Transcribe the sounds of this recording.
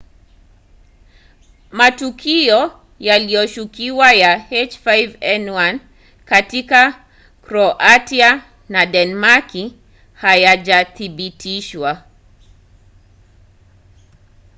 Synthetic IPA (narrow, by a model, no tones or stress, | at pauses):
matukʰiɔ | jalijɔʃukiwajahɛt͡ʃfajvɛnwan | katika | kɾɔʔatia | nadɛnmaki | hajaʄaθiɓitiʃwa